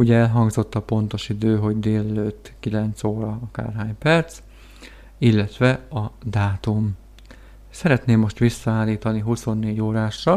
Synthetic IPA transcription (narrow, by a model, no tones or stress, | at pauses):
uɟɛɛlɦɒŋɡzo̞t̪ːɒpo̞nt̪o̞ʃid̪øːɦo̞ɟd̪eːlɛløːt̪ːkilɛnt̪soːɾɒɒka̰ːrɦaːɲpɛrt̪s | ilːɛt̪ʋɛɒd̪aːt̪um | sɛɾɛt̪neːmːo̞ʃt̪ʋisːɒaːlːiːt̪ɒniɦuso̞nːeːɟoːɾaːʃːɒ